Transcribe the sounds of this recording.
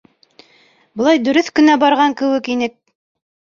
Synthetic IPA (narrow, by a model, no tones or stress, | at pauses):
bɤ̆lˠɑjd̪ɵ̆ɾɵθkɵ̆næbɑɾʁɑŋkɘ̆wɘkinɘk̚